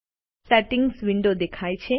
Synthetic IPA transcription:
sɛʈiŋɡsʋiɳɖod̪ekʰaːjt͡ʃʰe

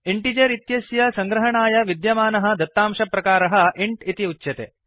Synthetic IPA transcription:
iɳʈid͡ʒɐɾit̪jɐsjɐsɐŋɡɾɐɦɐɳaːjɐʋid̪jɐmaːnɐɦɐ̆d̪ɐt̪ːaːmʂɐpɾɐkaːɾɐɦɐʔiɳʈit̪iut͡ʃːʃɐt̪ḛː

